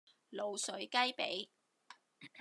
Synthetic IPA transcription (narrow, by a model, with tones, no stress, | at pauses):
lo˨wsɵ˨˥ɥkɐ˥jpḛ˨˥j